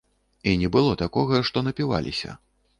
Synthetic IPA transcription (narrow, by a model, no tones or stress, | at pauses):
inʲɛbɨlˠɔt̪akɔɣɐʂt̪ɔnɐpʲiva̰lʲʔḭsʲɐ̰